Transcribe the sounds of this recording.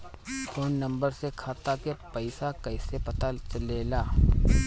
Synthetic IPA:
fʰoːnːɐ̃mbəɾsekʰaːt̪akepɐɪsakɐɪsepɐt̪at͡ʃɐleːlaː

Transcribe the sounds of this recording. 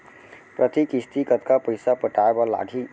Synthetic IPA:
pɾət̪ikist̪ikət̪kapəjsapəʈaebala̰ɡʱi

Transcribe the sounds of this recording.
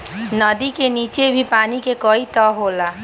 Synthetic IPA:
nəd̪ikeniːt͡ʃebʱipaːnikekɔit̪ɔɦoːlaː

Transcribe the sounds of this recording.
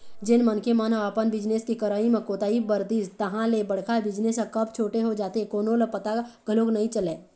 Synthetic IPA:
d͡ʒɪnmənkemənɦəʋaːpənbɪd͡ʒneskikəɾaːimẽkoːt̪aːibəɾd̪iːd͡ʒt̪ɐɦãlebəɽ̤kʰabɪd͡ʒnesãkɐbt͡ʃʰoːʈeɦod͡ʒaːt̪ekoːnõlepɐt̪aɡəloːɡnɐɦĩt͡ʃəleː

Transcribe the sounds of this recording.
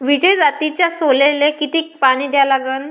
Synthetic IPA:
ʋid͡ʑəjd͡zat̪it͡ɕjasolelekit̪iːk̚paɽ̃iːd̪jalaɡəːn

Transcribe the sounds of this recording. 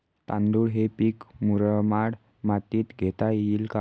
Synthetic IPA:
t̪ãnd̪uːɽɦepiːkmuɾəmaɽ | mat̪iːt̪ɡʱet̪ailka

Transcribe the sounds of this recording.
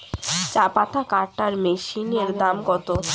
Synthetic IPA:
t͡ɕapat̪ʰakaɾʈaɾmeʃineɾd̪amɡɔt̪o

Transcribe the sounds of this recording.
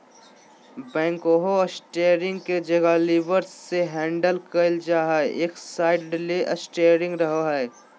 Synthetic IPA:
bɛ̃ːŋkoɦoəsʈeːjɾɪ̃ŋɡked͡ʒɐɡaliʋəɾsseɦɛ̃ːɳɖəlkəɪld͡ʒaːɦɛʔeːksaːɪɖ̚ɖɪleːʔəsʈeːɾɪ̃ŋɡɾɐɦoɦɛː

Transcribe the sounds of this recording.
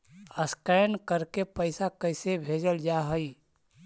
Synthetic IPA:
əskənkəɾkepəɪsakəɪsebʱed͡ʒəld͡ʒaɦəi

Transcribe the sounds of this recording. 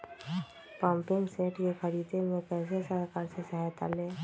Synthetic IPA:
pãːmpɪŋɡseːʈjekəɾiːd̪emẽkɛːs̬esəɾkaːɾsesəɦajt̪a̰leː

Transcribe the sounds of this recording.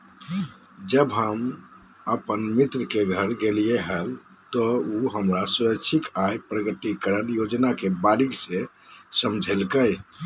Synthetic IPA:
d͡ʒəbɦəməpənmit̪ɾəkeɡʱəɾɡelijeɦəlt̪ɔuɦəmɾasuɾək̚t͡ʃʰikajpɾəɡət̪ikəɾənjod͡ʒnakebaliɡsẽsəmd͡ʒʱelkəj

